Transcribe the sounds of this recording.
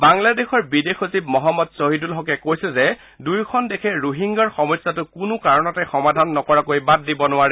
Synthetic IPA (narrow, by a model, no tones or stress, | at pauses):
baŋladexɔɹbidexosibmɔɦɔmːɔdsoɦidulɦɔkɛkojsɛzɛ | dujkʰɔndɛkʰɛɹuɦiŋɡaɹxɔmɔsːatʊkʊnʊkaɹɔnɔtɛxɔmadʱanːɔkɔɹakojbad̚ːibɔnʊwaɹɛ